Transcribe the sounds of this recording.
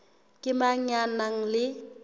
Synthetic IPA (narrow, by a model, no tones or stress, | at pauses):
kʼɪmaɲanaŋ̩lɪ